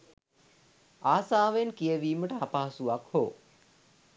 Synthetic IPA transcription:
aːsaːʋenkijəʋiːməʈəapaɦasuʋakhoː

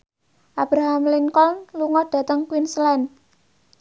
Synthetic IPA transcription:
ʔab̥ɾaɦamlinkɔnluŋɔd̥a̤t̪əŋkwinslɛn

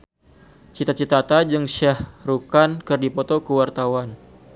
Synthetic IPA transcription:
t͡ʃit̪at͡ʃit̪at̪ad͡ʒɨŋsahrukankɨrdipɔt̪ɔkəwart̪awan

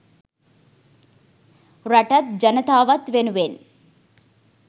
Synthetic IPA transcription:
ɾɐʈɐt̪̚d͡ʒɐnɐt̪aːʋɐt̪ʋenuʋeːn

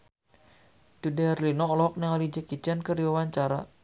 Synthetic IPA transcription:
d̥udɛɛrlinɔlɔɦɔk̚naŋalid͡ʒəkid͡ʒankəɾiwawaɲt͡ʃaɾa̰

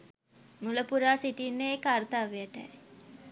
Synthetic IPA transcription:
muləpuɾaːsiʈinːeːkart̪aːʋejəʈə̰j

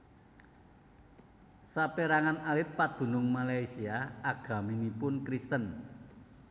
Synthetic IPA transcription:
sapeɾaŋanalɪt̪̚pad̪̥ṳnʊŋmalaisiaaɡ̥a̤minipʊnkɾist̪ən

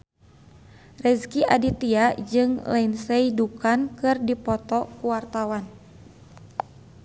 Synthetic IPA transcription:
rɛskiʔa̰dit̪iad͡ʒɨŋlɛinsɛidukankɨrdipɔt̪ɔkuwart̪awan

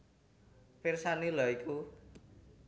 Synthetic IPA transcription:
pirsanilɔiku

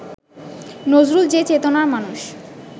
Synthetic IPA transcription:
nod͡ʑɾuld͡ʑet͡ɕet̪onaɾmanuʃ

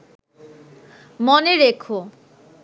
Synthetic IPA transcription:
moneɾekʰo

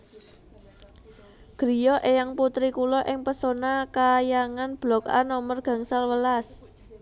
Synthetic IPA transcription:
ɡ̥ɾijɔʔejaŋput̪ɾikulɔʔɪŋpəsonakajaŋanb̥lɔka̰nɔmərɡ̥ä̤ŋsalwəlas

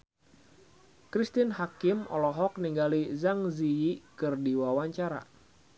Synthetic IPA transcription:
kɾist̪ɪnhakɪmɔ̰lɔɦɔk̚niŋɡalizaŋziikɨrdiwawaɲt͡ʃaɾa̰

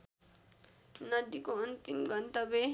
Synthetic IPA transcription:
nʌd̪ikoʌnt̪imɡʌnt̪abe

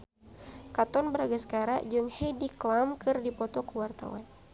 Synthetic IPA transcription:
kat̪ɔnbəɾaɡasə̥kaɾa̰ʔd͡ʒɨŋhediklamkɨrdipɔt̪ɔkəwart̪a̰wa̰n

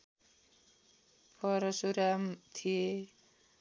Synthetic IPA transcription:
pʰʌɾʌsuɾamt̪ʰije

